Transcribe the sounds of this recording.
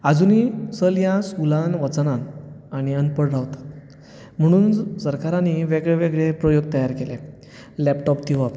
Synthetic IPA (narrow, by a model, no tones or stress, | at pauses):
ad͡zunisəljasulãnʋət͡sənãnaɽ̃iənpəɽaʋt̪ḁt̪ | m̤əɽ̃uːnsəɾkaɾãnːiʋeɡɭeʋeɡɭepɾɔjoɡ̚t̪əjaɾkele | lɛpʈɔp̚t̪iʋa